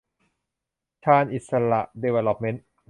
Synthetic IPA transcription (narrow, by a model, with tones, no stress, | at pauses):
t͡ɕʰaː˧nʔi˨˩t̪̚sa˧ɾa̰˨˩ʔdeː˧weː˧lo˧˥p̚me˦˥n